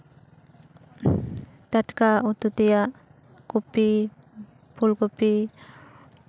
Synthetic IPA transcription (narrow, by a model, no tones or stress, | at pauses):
t̪atkaut̪ut̪ijaʔ | kupi | pulkupi